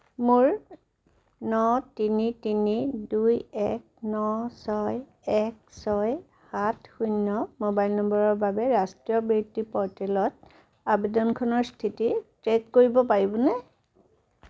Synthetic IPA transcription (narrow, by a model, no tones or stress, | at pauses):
muɹ | nɔtinitinidujɛk̚ | nɔsɔj | ɛk̚sɔj | hatʰxunːɔmobajlnɔmbɔɹɔɹbʱabɛɹastɹijɔbitːipɔɹtɛlɔt | abedɔnkʰɔnɔɹstʰititɹekkoɹibɔpaɹibɔnɛ